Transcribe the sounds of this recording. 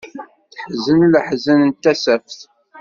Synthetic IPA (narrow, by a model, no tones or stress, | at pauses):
θəħzənləħzənənt̪ːæsæfθ